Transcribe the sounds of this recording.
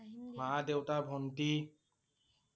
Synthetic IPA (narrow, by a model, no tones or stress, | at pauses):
madewtabʱɔnti